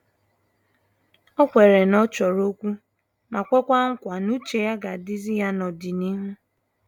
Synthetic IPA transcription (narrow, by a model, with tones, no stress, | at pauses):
ɔ˦kʷe˨ɾe˨nɔ˦t͡ʃɔ˨ɾo˦kʷu˦ | ma˨kʷe˦kʷa˦ŋ̩˦kʷa˨nu˦t͡ʃe˨ja˦ɡa˨dɪ˦zi˦ja˦nɔ˨dɪ˨ni˦ɦu˦